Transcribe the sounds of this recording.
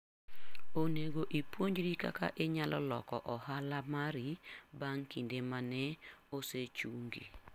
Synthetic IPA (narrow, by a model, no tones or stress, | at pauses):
oneɡoʔipwoɲd͡ʒɾika̰ka̰ʔeɲalʔɔlɔ̰kɔʔɔhalamaɾibaŋkindemanɛoset͡ʃuŋɡḭ